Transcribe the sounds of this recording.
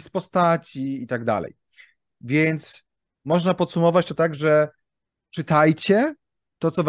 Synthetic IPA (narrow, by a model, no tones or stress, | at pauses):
spɔst̪at͡ɕiit̪aɡd̪a̰lɛ̰j | vʲjɛnt̪s | mɔʐnapɔt̪sumɔvat͡ɕt̪ɔt̪aɡʐɛ | t͡ʂɘt̪ajt͡ɕɛ | t̪ɔt̪sɔv